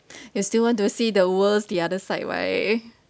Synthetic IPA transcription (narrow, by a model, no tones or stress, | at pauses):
justilwɔ̃nt̬usidəwəlsdiadəsaɪdwa̰ɪ